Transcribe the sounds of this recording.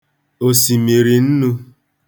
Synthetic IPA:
o˨si˨mi˨ɾi˨n̩˦nu˦

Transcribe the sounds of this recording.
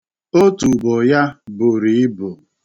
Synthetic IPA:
o˦tu˨bɔ˨ja˦bʊ˨ɾi˨˦bʊ˨

